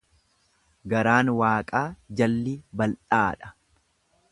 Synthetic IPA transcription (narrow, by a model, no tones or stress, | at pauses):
ɡɐɾaːnwaːkʼaːd͡ʒɐlːibɐlᶑaːᶑɐ̥